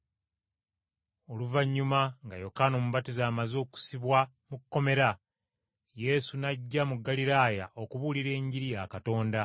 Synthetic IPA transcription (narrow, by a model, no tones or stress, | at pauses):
o̞luvaɲːumaŋɡajo̞kanomuβatizaːmazo̞ːku̥siβwa | mukːo̞me̞ɾa | je̞sunaɟːamuɡːaliɾaːjaʔo̞kuβuliɾe̞ːɲɟiɾijakato̞ːnda